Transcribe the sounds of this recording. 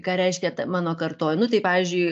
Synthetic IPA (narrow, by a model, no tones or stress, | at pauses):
kɑːɾʲɛɪʃʲkʲɛt̪ɐmɑːnoːkɐrt̪oːjnʊt̪ɐɪpɑːʋʲiːzʲd͡ʒʲʊɪ